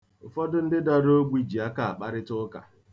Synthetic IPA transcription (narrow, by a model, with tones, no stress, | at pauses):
ʊ˨fɔ˦dʊ˦n̩˦dɪ˦da˦ɾo˦ɡʷi˨d͡ʒi˨a˦ka˨a˨k͡pa˦ɾɪ˦tʊ˦ka̰˨